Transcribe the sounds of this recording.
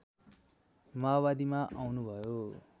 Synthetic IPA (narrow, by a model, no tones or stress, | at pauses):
mabad̪imaʔawnubʱʌjo